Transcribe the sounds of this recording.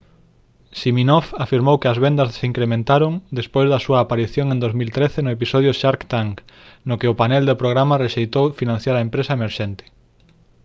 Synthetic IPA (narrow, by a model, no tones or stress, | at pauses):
ʃiminɔfafiɾmowkɪɐzβɛnd̪ɐzsiŋkɾemẽnt̪aɾoŋd̪espojzðɐsuɐːpaɾiθjoŋẽnd̪ozmilt̪ɾeθenʊepisɔð̞jʊʃaɾkt̪aŋk | nʊkɪʊpanɛld̪ɪpɾoɣɾamɐreʃejt̪owfinãnθjaɾɐempɾesɐemeɾʃɛnt̪ɪ̥